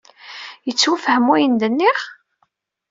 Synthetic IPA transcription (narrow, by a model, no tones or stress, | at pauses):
jət͡sːwufəhəmːujənd̪ənːiχ